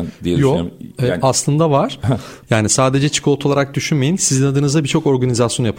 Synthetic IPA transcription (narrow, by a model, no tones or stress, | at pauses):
d̪iejoɛaslˠɯnd̪avaɾ̥jaːnisaːd̪e̞d͡ʒɛt͡ʃʰɯ̥kʰɯot̪ʰolˠaɾak̚d̪yʃynmejinsizinad̪ɯːnɯzd̪abit͡ʃʰo̞ko̞ɾɡanizasjonjapɯ